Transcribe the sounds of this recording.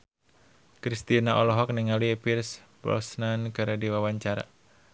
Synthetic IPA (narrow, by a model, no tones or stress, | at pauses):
kɾist̪inaʔɔlɔɦɔk̚niŋaliepirspɾɔ̰snankaɾadiwawaɲt͡ʃaɾa̰